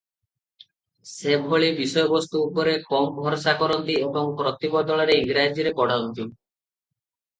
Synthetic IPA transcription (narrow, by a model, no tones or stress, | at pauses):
sebʱɔɭibisɔjɔbɔst̪uːpɔɾekɔmbʱɔɾsakɔɾɔnt̪iebɔŋpɾɔt̪ibɔd̪ɔɭaɾeiŋɡɾad͡ʒiɾepɔɽ̤aunt̪ʰi